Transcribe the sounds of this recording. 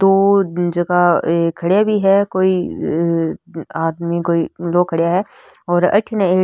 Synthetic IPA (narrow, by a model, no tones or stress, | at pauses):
d̪oːd͡ʒɐɡaekʰːɐɽjabʱiɦɛkoːi | aːd̪mikoːiloːkʰɐɽjaɦɛːɔːɾɐ̰ʈʰnẽeː